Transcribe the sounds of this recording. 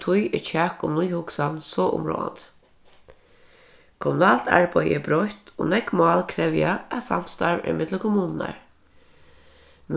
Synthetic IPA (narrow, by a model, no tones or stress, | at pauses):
t̪ʰʊjɪt͡ʃʰæːkʊmnʊjhʊksansɔːʔʊ̰mɹo̰ːa̰nt̪ | kʰɔmʊnɑːlt̪ʰæ̰ɹbœjɪbɾɔt̪o̰ːnɛɡmɑːlkʰɾɛʋjaæsa̰m̥st̪ɑɹɪ̰mɪd̪ləkʰʊmuːnnæ̰ɹ | n